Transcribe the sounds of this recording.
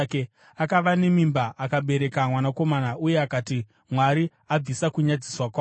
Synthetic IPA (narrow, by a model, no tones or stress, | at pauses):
ke | akaʋane̞mimbaʔakaɓe̞ɾe̞kamwanako̞manauje̞akati | mwaɾi | ab͡visakuɲad͡ziswakwaː